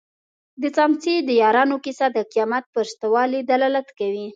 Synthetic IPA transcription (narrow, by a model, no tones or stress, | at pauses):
d̪ət͡sɑmt͡sed̪əjɑɾɑnokisad̪əqijɑmat̪̚pəst̪awɑlid̪alɑlat̪kawi